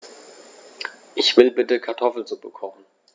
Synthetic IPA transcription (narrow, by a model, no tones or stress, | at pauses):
ʔɪçv̥ɪlbɪtəkʰaɐtʰɔfl̩zubəkʰɔχn̩